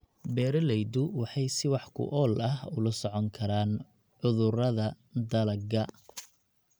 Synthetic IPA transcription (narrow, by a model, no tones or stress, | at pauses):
bɛːɾɐlɛjd̪ʊwɑħɑjsɪwɑħkʰʊ̰ʔɔːlɐɦʊlɐsɔʕɔŋkʰɐɾaːn | ʕʊðʊrɐðɐ | d̪ɐlɐɡɐ